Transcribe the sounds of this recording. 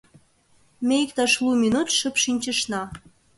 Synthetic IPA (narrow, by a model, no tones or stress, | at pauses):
meik̚t̪ɑʃlˠuminut̪ʃəpʃinʲt͡ɕə̆ʃnɑ